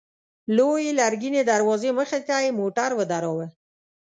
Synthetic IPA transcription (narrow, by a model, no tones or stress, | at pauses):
lojelaɾɡined̪aɾwɑzeməxet̪ajemoʈaɾwəd̪aɾɔwə